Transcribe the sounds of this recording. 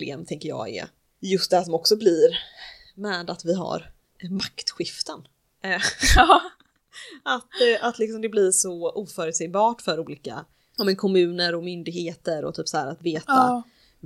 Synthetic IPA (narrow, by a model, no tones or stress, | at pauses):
lḛːmt̪ʰɛŋkəjɑ̰ːɡɛ̰ | jɵst̪̚d̪ɛæʂ̬ɔmɔksɔblɪɾ | mɛːd̪at̪vɪɦa̰ɾ | makt̪ɧɪft̪ən | ʔat̪at̪lɪksɔmd̪ɛblɪɾʂɔʔuːfœːɾɛt̪sɛbɑːʈfœɾuːliːka̰ | ɑmɛnkʰɔmʉ̟ːnəɾɔmʏnd̪ɪɡheːt̪əɾɔ̰t̪ʰyːpsahæːɾat̪veːt̪a